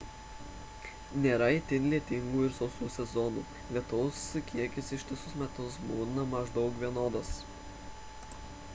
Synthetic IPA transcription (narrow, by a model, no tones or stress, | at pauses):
nʲeːɾɐɪt̪ʲɪnʲlʲiɛt̪ʲɪŋɡuːɪɾsɔʊsuːsʲɛzɔnṵː | lʲiɛt̪ʊʊskʲʰiɛkʲɪsɪʃt̪ʲɪsʊsmʲɛt̪ʊsbuːnɐmɐʒd̪ɒʊkʋʲiɛnoːd̪oːs